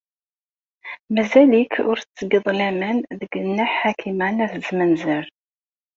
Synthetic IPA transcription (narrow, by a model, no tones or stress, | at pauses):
mæzælikʰʊɾt͡sːəɡəðˤlæmənðəɡənːæħħakʰimænæθəzmənzəɾ